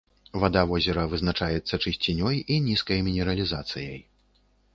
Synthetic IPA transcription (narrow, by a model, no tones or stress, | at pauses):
vad̪avɔzʲɛɾɐvɨznat͡ʂajɛt̪sːɐt͡ʂɨsʲt͡sʲinʲɔjinʲiskɐjmʲinʲɛɾɐlʲizat̪sɨjɐj